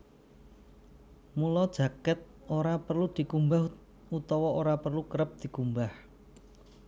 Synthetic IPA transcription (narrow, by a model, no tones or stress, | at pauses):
mulɔd̥ʒ̥ä̤kɛt̪̚ | oɾapərlud̪̥i̤kumbah | ut̪ɔwɔoɾapərlukəɾəp̚d̪̥i̤kumbah